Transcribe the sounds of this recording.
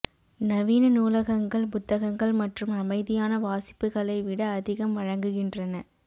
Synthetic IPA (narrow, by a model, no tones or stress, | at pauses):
nɐʋiːnɐnuːlɐɣɐŋɡɐɭpʊt̪ːɐɣɐŋɡɐɭmɐʈrɯmɐmɐɪðɪjaːnɐʋaːsɪ̥pːɯɣɐɭɐɪʋɪɽɐːðɪɣɐmʋɐɻɐŋɡɯɣɪndrɐnɐ